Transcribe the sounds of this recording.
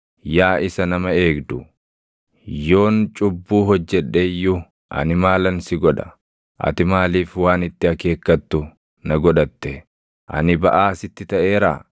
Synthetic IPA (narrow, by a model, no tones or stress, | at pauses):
jaːʔɪsɐnɐmɐe̞ːɡd̪ʊ | jo̞ːnt͡ʃʼʊbːuːɦɔd͡ʒːɛᶑːeːjːʊ | ʔɐ̰nɪmaːlɐnsɪɡɔᶑɐ̥ | ʔɐ̰t̪ɪmaːliːfwaːnɪt̪ːɪɐke̞ːkːɐt̪ːʊ | nɐɡɔᶑɐt̪ːɛ | ʔɐ̰nɪbɐʔaːsɪt̪ːɪt̪ɐʔe̞ːɾa̰ː